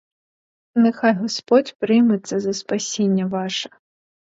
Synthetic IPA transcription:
nɛxajɣɐspɔt͡sʲpɾɪjmɛt̪sːɐzɐspasʲenʲːɐvaʂɐ̥

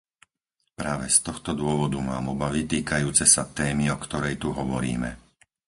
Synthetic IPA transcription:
pɾaːʋɛst̪ɔxt̪ɔd̪ʊɔʋɔd̪umaːmɔbaʋit̪iːkajuːt͡sɛsat̪ɛːmiɔkt̪ɔɾɛjt̪uɦɔʋɔɾḭːmɛ̰

